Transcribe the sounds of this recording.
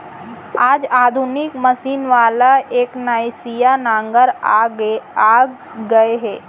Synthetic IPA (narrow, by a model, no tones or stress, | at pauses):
aːd͡ʒaːd̪ʱunɪkmɐsiːnʋaːlaʔeːknaːjsijanãːŋɡəɾ | aː | ɡəeɦɛː